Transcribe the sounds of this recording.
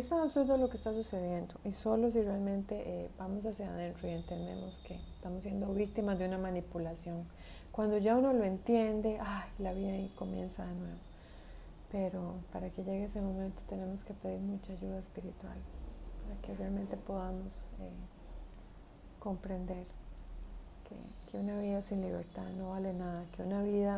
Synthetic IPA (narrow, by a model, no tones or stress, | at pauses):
est̪aaβsuɾd̪olo̞kest̪asuse̞ðje̞nd̪oʔiso̞lo̞s̬irealmẽ̞nt̪e̞ʔeb̥amo̞s̬asjaðẽ̞nt̪ɾoie̞nt̪e̞nd̪e̞̰moskʰe̞est̪amosːje̞nd̪o̞βik̚t̪imazd̪eunamanipulasjo̞ŋ | kwand̪o̞ʝauno̞loe̞nt̪je̞nd̪e̞ʔajlaβiðaiko̞mje̞̰nsaðe̞nwe̞βo | pe̞ɾo̞paɾake̞ʝe̞ɣeesemo̞mẽnt̪o̞̥t̪e̞ne̞mo̞ske̞pe̞ðiɾmut͡ʃaːʝuð̞aespiɾit̪wa̰lpaɾake̞realmẽ̞nt̪epo̞ðamose | ko̞mpɾe̞nd̪e̞ɾ | kʰḛkʰeunaβiðasinliβe̞̰ɾt̪aðno̞βale̞naðake̞unaβiða